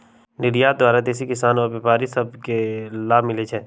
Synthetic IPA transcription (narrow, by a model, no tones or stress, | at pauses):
nɪɾijaːd̪ʋaːɾat̪eːs̬ikɪsaːnɔːɾbeːpaːɾisɐb̚kelaːbmɪlet͡ʃʰɛː